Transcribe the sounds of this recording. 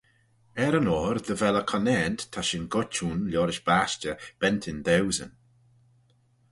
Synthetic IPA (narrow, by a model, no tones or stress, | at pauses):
ɛɾənɔːɾðəvɛləkʰɔnɛntt̪ʰːaʃɪnɡʊt͡ʃuːnljɔːɾɪʃb̥aʃt͡ʃəb̥ɛnt̪ʰɪnd̪ɛwzə̰n